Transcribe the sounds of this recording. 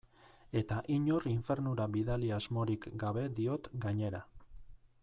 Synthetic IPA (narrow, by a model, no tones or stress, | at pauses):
e̞t̪aʔiɲo̞riɱfe̞ɾnuɾaβiðaliazmo̞ɾikɡaβe̞d̪io̞t̪ɡaɲe̞ɾa